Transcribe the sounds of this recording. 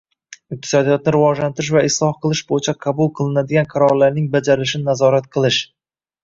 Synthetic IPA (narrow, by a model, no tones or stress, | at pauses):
ɪq̚t̪ʰɪ̥sɒd̪ijɒt̪̚nɪɾɪvɒʒlant̪ɪɾɪʃvaɪslˠɒhqɨlˠɪʃbojɪt͡ʃʰaqʰɑbʊlˠqʰɨlˠɪnad̪ɪɡʲanqʰɑɾɒɾlaɾnɪŋbad͡ʒaɾɪlɪʃɪnɪnazɒɾat̪̚qʰɨlˠɪʃ